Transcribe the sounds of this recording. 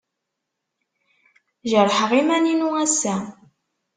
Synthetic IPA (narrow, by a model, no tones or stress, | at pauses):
ʒəɾˤħəʁimæninuæsæ